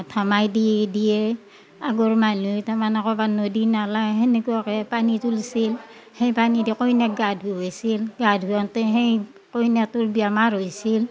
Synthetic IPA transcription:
tʰamajdidijɛ | aɡɔɹmanutamanakɔbanodinalaɦenekuakɛpanitulsil | hejpanidikojnaɡadʱɦuojsilɡadɦuɔntɛɦej | kojniatuɹbiamaɹɦojsil

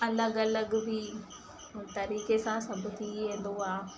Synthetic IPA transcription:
ɐləɡɐləɡbɪ | t̪ɐɾiːkesãsɐbʱʊt̪ʰiʋẽːn̆d̪oaː

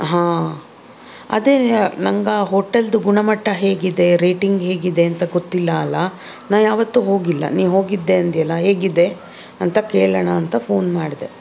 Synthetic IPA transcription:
ɦãː | ɐ̰d̪eːnɐŋɡɐɦoːʈɐld̪uɡuɳɐmɐʈʰːɐɦeːɡid̪e̞ɾeːʈiŋɡɦe̞ːɡid̪e̞ɐnt̪ɐɡot̪ːilːɐːlːɐ | naːʋjaːʋɐt̪ːuɦo̞ːɡilːɐ̰niːɦo̞ːɡid̪ːeɐnd̪ijɐlːɐɦe̞ːɡid̪e̞ | ɐnt̪ɐkeːɭɐɳɐːnt̪ɐpʰo̞ːnmaːɖid̪e̞

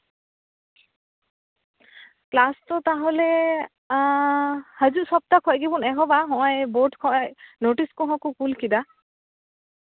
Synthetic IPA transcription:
plastɔt̪aɦɔle | həd͡ʒuʔsɔp̚t̪akʰɔjɡibunɛɦɔbaɦɔ̃ʔɔjboʈkʰɔjnoʈiskɔɦɔ̃kukulkid̪a

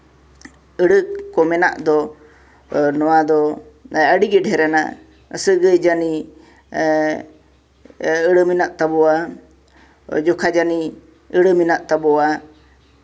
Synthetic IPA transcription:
əɽəkɔmɛna̰ʔd̪ɔ | nɔwad̪ɔəɖiɡɛɖɦɛɾɛna̰ | ə̰səɡəjd͡ʒani | əɽəminaʔt̪abɔa | d͡ʒɔkʰad͡ʒani | əɽəminaʔt̪abɔa

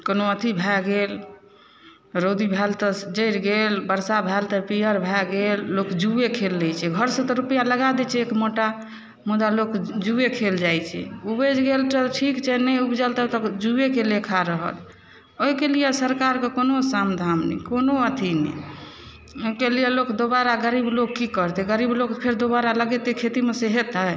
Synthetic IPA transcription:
konoət̪ʰibʱɛɡel | ɾod̪ibʱɛlt̪ɔd͡ʒəɪɾɡelbəɾsabʱɛlt̪ɔpijəɾbʱɛɡelːokd͡ʒuekʰelːɛt͡ʃʰɛɡʱəɾsə̃t̪ɔɾupijaləɡad̪ɛt͡ʃʰɛekmoʈa | mud̪alokd͡ʒuekʰeld͡ʒajt͡ʃʰɛ̰ubed͡ʒɡelt̪əʈʰikt͡ʃʰɛnɛubd͡ʒəlt̪ət̪ɔd͡ʒuekelekʰaɾəɦə̰l | oikelijesəɾkaɾkekonosamd̪ʱamnɛ̰konoət̪ʰinɛ̰ | okelijelokd̪obaɾaɡəɾibloɡkːikəɾt̪eɡəɾiblokpʰeɾd̪obaɾaləɡɛt̪ekʰet̪imeseɦet̪a

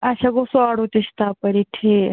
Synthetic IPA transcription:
aɕaɡosoaɽot̪eɕt̪apəɾiʈʰe

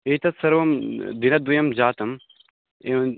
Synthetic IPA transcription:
eːt̪ɐt̪sɐɾʋɐmd̪inɐd̪ujɐmd͡ʑaːt̪ɐm | e

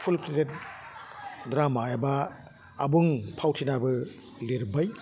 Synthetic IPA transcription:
pʰulpʰɾitet̚ | dɾamaabaː | buŋpʰawtʰinabɯ | liɾbaj

